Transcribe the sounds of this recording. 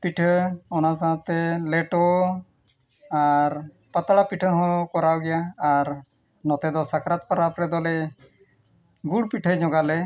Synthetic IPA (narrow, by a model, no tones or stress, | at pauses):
piʈʰəɔnas̬ããt̪ɛlɛʈɔ | aɾ | pət̪aɽapiʈʰəɦɔ̃kɔɾawɡɛjaːɾ | nɔt̪ɛd̪ɔsakʰɾat̪̚pəɾapɾɛd̪ɔlɛ | ɡuɽpiʈʰəd͡ʒɔɡalɛ